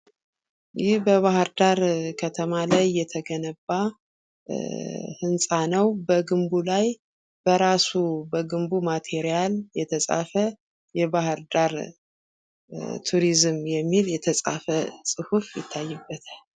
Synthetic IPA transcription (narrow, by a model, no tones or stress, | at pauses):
jɪhbəβahɨɾd̪aɾkʰət̪ʰəmalajːɛt̪ʰəɡənəba | hɨnsʼanəwbəɡɨmbulaj | b̥əɾasubəɡɨmbumat̪ʰeɾijaljɛt̪ʰəsʼa̰fə | jɛbahɨɾd̪aɾ | t̪ʰuɾizɨmjɛmːiljɛt̪ʰəsʼa̰fəsʼɨhufjɪ̰t̪ʰːajːɨbːət̪ʰal